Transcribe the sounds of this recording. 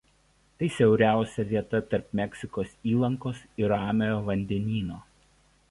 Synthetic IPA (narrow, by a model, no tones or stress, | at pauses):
t̪ɐɪsʲɛʊɾʲæˑʊsʲɛʋʲiɛt̪ɐt̪ɐɾpmʲɛkʲsʲɪkoːsiːlˠɐŋkoːsɪɾɑːmʲejoːʋɐnʲd̪ʲɛnʲiːnoː